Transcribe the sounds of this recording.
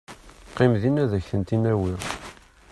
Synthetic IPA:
qːimðinæðæçθənt̪inæwiʁ

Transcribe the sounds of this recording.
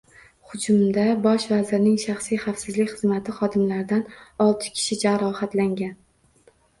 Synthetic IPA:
χʊd͡ʒʊmd̪abɒʃvazɪɾnɪŋʃaχsijχafsɪzlɪkʲχɨzmat̪ʰɪχɒd̪ɪmlaɾɪd̪anɒlˠt̪ʰɪ̥kʲʰɪ̥ʃɪd͡ʒaɾɒhat̪laŋɡʲan

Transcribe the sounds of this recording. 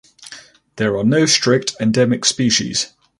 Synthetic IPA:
ðəɹənəʊstɹ̥ɪk̚tʰɛ̃ndɛmɪkspiˑʃḭz̥

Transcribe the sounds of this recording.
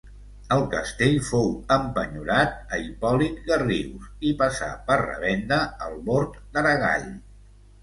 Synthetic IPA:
əlˠkəst̪eʎfowəmpəɲuɾat̪̚əipɔlit̪̚ɡəriwsipəsa̰pərrə̰βɛnd̪əəlˠβoɾt̪d̪əɾəɣa̰ʎ

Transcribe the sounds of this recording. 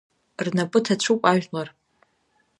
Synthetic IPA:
rnapʼɨtʰat͡ɕʷʰupʼaʒᶣlar

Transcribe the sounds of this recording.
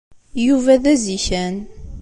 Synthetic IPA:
juvæðæziçæn

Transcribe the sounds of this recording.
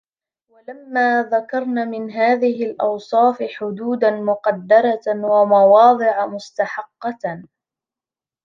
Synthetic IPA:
walamːaːðakɑɾˤnaːmɪnɦaːðɪɦɪlʔɑ̰wsˤɑːfɪħʊd̪uːd̪anmʊqɑd̪ːɑɾˤɑwamɑwɑːd̪ˤɨʕamʊst̪aħɑqːɑ

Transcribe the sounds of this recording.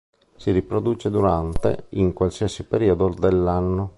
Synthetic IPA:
siɾipɾod̪uːt͡ʃed̪uɾant̪ḛiŋkwalsiasipeɾiod̪od̪elːanːo

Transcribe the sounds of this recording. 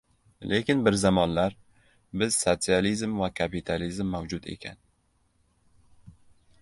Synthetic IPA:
lʔekʲɪnbɪɾzamɒnlaɾ | bɪz̥sot̪sɨalizmvakʰapit̪ʰalizmːawd͡ʒʊd̪e̞̰kʲʰa̰n

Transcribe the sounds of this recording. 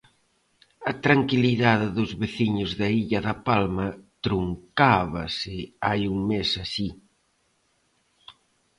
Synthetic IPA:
ɐt̪ɾaŋkiliðaðɪðʊzβeθiɲʊzðɐiʎɐðɐpalmɐt̪ɾuŋkaβɐsɪajuŋmesasi

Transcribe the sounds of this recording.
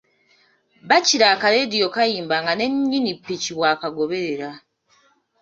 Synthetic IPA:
βaciɾaːkaledijo̞kajiːmbaŋɡane̞ɲːinipːiciβwaːkaɡo̞βe̞ɾe̞ɾa

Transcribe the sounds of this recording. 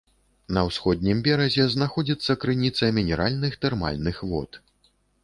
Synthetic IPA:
nɐwsxɔd̪̚ʲnʲimbʲɛɾɐzʲɛznaxɔd͡zʲit̪sːɐkɾɨnʲit̪sɐmʲinʲɛɾalʲnɨxt̪ɛrma̰lʲnɨxvɔ̰t̪

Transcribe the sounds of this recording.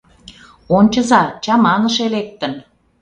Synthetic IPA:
onʲt͡ɕə̆zɑt͡ɕɑmɑnə̆ʃelek̚t̪ə̆n

